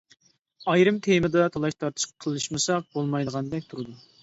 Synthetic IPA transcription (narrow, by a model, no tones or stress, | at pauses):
ɑjɾɨmt̪ʰemɨd̪ɑt̪ʰɑlˠɑʃt̪ʰɑɾt̪ʰɨ̥ʃqqʰəlˠɨʃmɨsɑq̚bolˠmɑjd̪əʁɑnd̪ɛkʲt̪ʰuɾɨd̪u